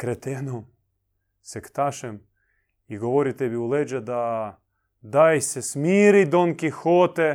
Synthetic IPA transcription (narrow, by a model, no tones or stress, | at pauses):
kɾɛt̪enom | sɛkt̪aʃem | iɡoʋoɾit̪ebiuled͡ʒɛd̪a | d̪ajsesmiːɾid̪oŋkixoːt̪e